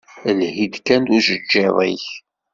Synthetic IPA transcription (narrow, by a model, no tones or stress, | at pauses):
əlhid̪kænd̪uʒəd͡ʒːiðˤiç